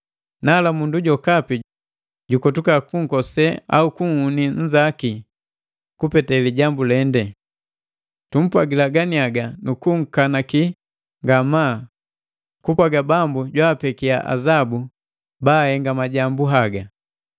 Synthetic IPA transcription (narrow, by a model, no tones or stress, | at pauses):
naːlamunduɟɔkapi | ɟukɔtukakuŋ̩kɔsɛa̰ukuŋ̩huniɲ̩d͡ʒaki | kupɛtɛliɟambulɛndɛ | tum̩pwaɡilaɡaniaɡanukuŋ̩kanaki | ŋɡamaː | kupwaɡabambuɟwaːpɛkiaʔa̰zabu | baːhɛŋɡamaɟambuɦaɡa